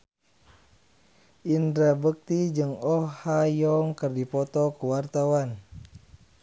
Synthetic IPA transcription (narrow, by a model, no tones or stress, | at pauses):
ʔindɾabək̚t̪id͡ʒɨŋɔhajɔŋkərdipɔt̪ɔkəwart̪awan